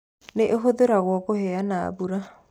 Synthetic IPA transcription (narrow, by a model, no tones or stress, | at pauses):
neʔeɦoðeɾaɣwɔkohɛana̰ːbuɾa